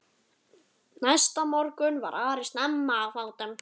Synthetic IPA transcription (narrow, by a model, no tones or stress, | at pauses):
najst̪amɔɾkʏnva̰ɾʔaːɾɪst̪nɛmːaːvawt̪am